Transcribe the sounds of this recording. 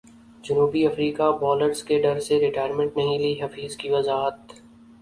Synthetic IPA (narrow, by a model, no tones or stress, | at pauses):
d͡ʒʊnuːbiɐfɾiːkabɔːləɾzkeɖɐɾseɾɪʈaːjəɾmə̃ɳʈnɐɦĩliːɦɐfiːzkiʋɐzaːɦət̪